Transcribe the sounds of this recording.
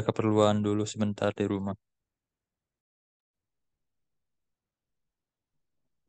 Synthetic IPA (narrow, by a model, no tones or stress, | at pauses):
kəpərluandulusəmənt̪ardiɾumah